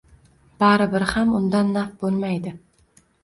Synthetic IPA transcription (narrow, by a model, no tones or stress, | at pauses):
b̥aɾɪbɪɾhamʊnd̪anːafbolˠmajd̪ɪ